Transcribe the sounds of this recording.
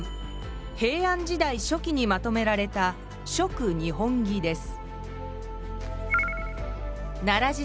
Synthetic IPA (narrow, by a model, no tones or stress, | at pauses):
he̞ːãɲ̟d͡ʑid̪aiɕo̞kʲiɲ̟imat̪o̞me̞ɾaɾe̞t̪a | ɕo̞kɯ̟ɲ̟ihõ̞ŋɡʲid̪e̞sɨ̥ | naɾaʑi